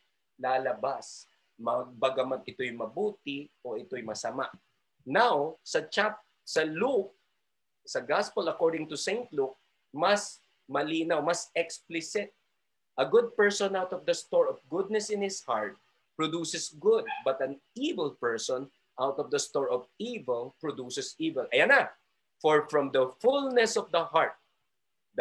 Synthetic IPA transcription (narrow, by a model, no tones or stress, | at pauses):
laːlɐbas | mɐɡ̚bɐɡɐmɐd̪ɪt̪ojʊŋmɐbuːt̪ɪʔoʔɪt̪ojmɐsɐma̰ʔ | nawsɐt͡ʃap̚ | sɐluk̚ | sɐɡaspəlɐkoɹd̪ɪ̃ŋt̪ʊsẽɪnt̪luk̚ | mɐs | mɐliːnawmɐsɛksplɪsɪt̪̚ | ʔɐɡʊd̪̚pɛɹsɔ̃nawt̪ɔvd̪ɐst̪ɔɹɔfɡʊd̪̚nɛsɪ̃nhɪshaɹt̪̚ | pɹɔd̪uːsɛsɡʊd̪̚bɐt̪ɐ̃nivɛlˠpɛɹsɔ̃n | ʔawt̪ɔvd̪ɐst̪ɔɹɔvivɛlpɹɔd̪uːsɛsiːvɛlʔɐjanɐ | fɔɹfɹɔ̃md̪ɐfulnɛsɔvd̪ɐhaɹt̪̚ | d